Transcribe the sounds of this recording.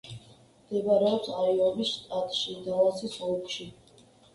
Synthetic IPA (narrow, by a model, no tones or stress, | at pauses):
md̪̥ɛbaɾɛɔpsaiɔmisʃt̪ʼat̪ʼʃid̪alˠasisɔlkʼʰʃi